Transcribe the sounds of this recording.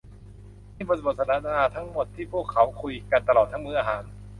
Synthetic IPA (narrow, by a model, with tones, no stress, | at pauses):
niː˥˩bɔː˧˥sbo˨˩t̪̚sʰnʰaː˨˦˥naː˧t̪ʰa˦˥ŋmo˨˩t̪ʰːiː˥˩pʰu˥˩əkʰːa˦˥wkʰu˧jka˧nt̪a˧lɔː˨˩t̪ʰːa˦˥ŋmɯː˧˩ʔaː˧ɦaː˩˦n